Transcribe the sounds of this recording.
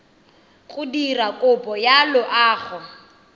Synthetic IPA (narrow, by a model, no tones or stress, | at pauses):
kʼʊdirakʼʊpʼɔjalʊʔaːχʰɔ